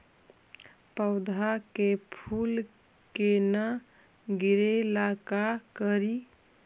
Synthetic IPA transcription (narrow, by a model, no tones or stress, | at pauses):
pəʊd̪ʱakepʰul | kena | ɡiɾelakakəɾi